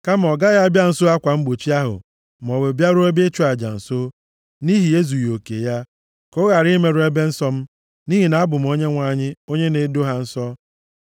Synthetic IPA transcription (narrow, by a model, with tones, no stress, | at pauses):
ka˦m˨ɔ˨ɡa˦ja˦a˦bja˦n̩˨so˦a˦kʷa˨m̩˦ɡ͡bo˨t͡ʃi˦a˦ɦʊ̰˨ | m˨ɔ˨we˨bja˦ɾo˦e˦be˦t͡ʃu˦a˨d͡ʒa̰˨n̩˨so˦ | ni˦ɦi˨e˦zu˨jo˨kḛ˨ja˦ | kʊ˦ɣa˨ɾi˦me˦ɾʊ˦e˦be˦n̩˦sɔ˦m̩˦ | ni˦ɦi˨na˨a˦bʊ˨m̩˨˦o˦ɲe˦ŋʷa˦˨ɲɪ˦o˦ɲe˦ne˨˦do˦ɦa˦n̩˦sɔ˦